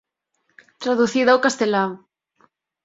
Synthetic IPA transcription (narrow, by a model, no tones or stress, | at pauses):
t̪ɾaðuθiðawkast̪elaŋ